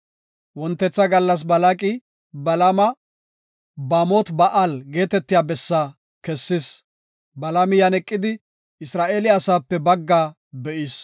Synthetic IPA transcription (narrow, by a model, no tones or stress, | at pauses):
wɔnt̪ːɛt͡sːɐɡɐlːɐs̬bɐlakʼɪ | bɐlɐmɐ | baːmot̪bɐʔalɡe̞ːt̪ɛt̪ːɪjaːbɛsːa | kɛsːɪs | bɐlɐmɪjɐnɛkʼːɪd̪ɪ | ɪsɾaːʔeːlɪɐsaːpːɛbɐɡːaː | bɛʔɪs